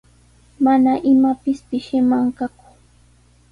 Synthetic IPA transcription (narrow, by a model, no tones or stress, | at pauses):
manaʔɪmapɪspɪʃɪmaŋkakʊ̥